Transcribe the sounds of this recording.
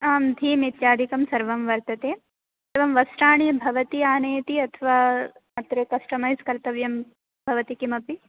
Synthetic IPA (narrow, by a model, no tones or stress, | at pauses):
ɐːmd̪ʱiːmit̪jaːd̪ʱikɐmsɐɾʋɐmʋɐɾt̪ɐt̪eː | eːʋɐmʋɐsʈaːɳ̃ibʱɐʋɐt̪iaːnɐjt̪iɐt̪ʰʋaːmɐt̪ɾɐkɐsʈɐmajzkɐɾt̪ɐʋjɐm | bʱɐʋɐt̪ikimɐpi